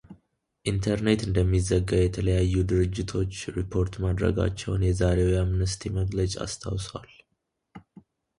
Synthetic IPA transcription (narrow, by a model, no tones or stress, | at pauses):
ʔint̪ʰəɾne̞t̪ɨnd̪əmːizːəɡːaβjɛt̪ʰələjajːud̪ɨɾɨd͡ʒːɪt̪ʰo̞t͡ʃːɾipʰːo̞ɾt̪mad̪ɾə̰ɡa̰t͡ʃːɛwnjɛzaɾe̞wjamnəst̪ʰiməɡlət͡ʃʼa̰st̪ʰa̰wswal